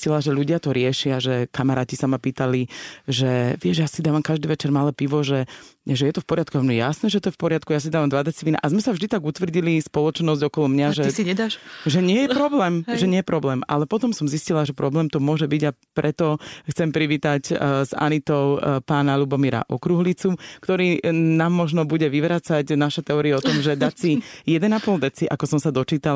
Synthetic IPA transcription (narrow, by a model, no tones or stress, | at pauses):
scilaʒɛlʎuɟɪat̪ɔɾɪɛʃɪaʒɛkamaɾaːcisamapiːt̪aliʒɛʋɪɛʒjasid̪aːʋamkaʒd̪iːʋɛt͡ʃɛɾmalɛːpiʋɔʒɛʒɛjɛt̪ɔfpɔɾɪat̪̚kuamnɔjɛja̰snɛːʒɛt̪ɔjɛfpɔɾɪat̪kujasid̪aːʋamd̪ʋad̪ɛt͡s̪ipliːna̰ʔazmɛsavʒd̪it̪aɡut̪ʋr̩ɟilispɔlɔt͡ʃnɔzɟɔkɔlɔmɲaʒɛsiɲɛd̪aʃʒɛɲɪɛjɛpɾɔblɛːmʒɛɲɪɛjɛpɾɔblɛːmalɛpɔt̪ɔmsɔmziscilaʒɛpɾɔblɛːmt̪ɔmʊɔʒɛbiɟapɾʔɛt̪ɔxt͡sɛmpɾiʋiːt̪acza̰nit̪ɔʊpaːnalubɔmiɾa̰ʔɔkɾuɦlit͡sukt̪ɔɾiːnaːmːɔʒnɔbuɟɛʋiʋɾat͡sacnaʃat̪ɛɔːɾiaɔt̪ɔmʒɛd̪asijɛd̪ɛnapɔld̪ɛt͡siʔakɔsɔmsad̪ɔt͡ʃiːt̪al